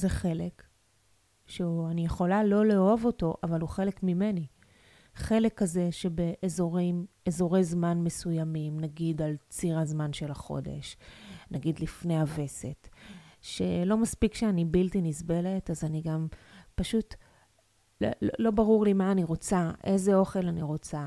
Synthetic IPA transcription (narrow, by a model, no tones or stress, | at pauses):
zeχe̞le̞k | ʃeuanijeχo̞lalo̞leovo̞to̞ʔavaluχe̞le̞kmime̞ni | χe̞le̞kːaze̞ʃe̞be̞ʔːzo̞ʁim | ezo̞ʁejzmanme̞sujamimnaɡid̪alt͡siʁazmanʃe̞laχo̞̰de̞̰ʃnaɡid̪lifne̞jave̞se̞tʃe̞lo̞maspikʃeanibiltinizbele̞tazaniɡampaʃut | lolo̞baʁuʁlimaːniʁo̞t͡saʔe̞zeo̞χe̞laniʁo̞t͡sa